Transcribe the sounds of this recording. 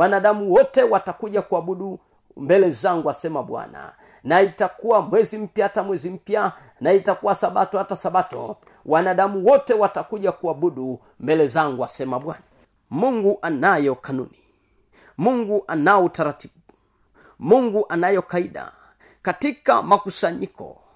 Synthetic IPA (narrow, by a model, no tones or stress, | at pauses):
wanaɗamuwɔtɛwatakuʄakuaɓuɗu | mbɛlɛzaŋɡuasɛmaɓwa̰na̰ | naitakuwamwɛzim̩pjaatamwɛzim̩pja | naitakuwasaɓatɔhatasaɓatɔ̰ | wanaɗamuwɔtɛwatakuʄakuaɓuɗu | mbɛlɛzaŋɡuasɛmaɓwana | muŋɡuʔanajɔkanṵni | muŋɡuʔanaɔutaɾati̥ɓu | muŋɡuʔanajɔkaiɗa̰ | katika̰makusaɲikɔ̰